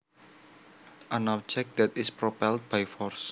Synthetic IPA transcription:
ʔanawt͡ʃɛk̚d̪̥ɛt̪ɪspɾopɛlt̪̚b̥ajfɔrs

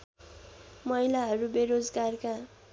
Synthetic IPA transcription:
mʌɦjlaɦʌɾubeɾod͡zɡarka

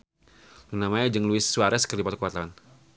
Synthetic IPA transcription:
unamaɲad͡ʒəŋluɪsːuaɾɛskərdipat̪ukuwat̪awan

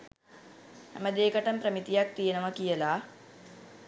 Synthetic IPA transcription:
hæ̰məd̪eːkəʈəmprəmit̪ijak̚t̪ijenəʋəkijəlaː

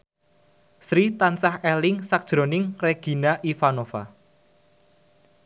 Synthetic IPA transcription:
sɾit̪ansahɛlɪŋsak̚d̥ʒ̥ɾo̤nɪŋreɡ̥i̤naʔifanofa̰

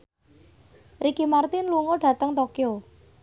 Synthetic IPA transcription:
rikimart̪ɪnluŋoɖ̥ä̤t̪əŋt̪okjo

